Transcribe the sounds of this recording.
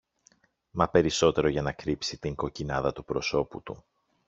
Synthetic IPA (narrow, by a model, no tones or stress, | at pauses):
mɐpe̞ɾiso̞t̪e̞ɾo̞ʝɐnɐkɾipsit̪iŋɡo̞cinɐðɐt̪upɾo̞so̞pṵt̪ṵ